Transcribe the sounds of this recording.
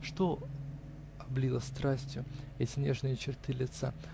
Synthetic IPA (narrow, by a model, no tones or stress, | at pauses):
ʂt̪o | ɐblʲilˠəst̪ɾasʲtʲjʊɛtʲɪnʲeʐnɨjət͡ɕɪrt̪ɨlʲɪt̪sa̰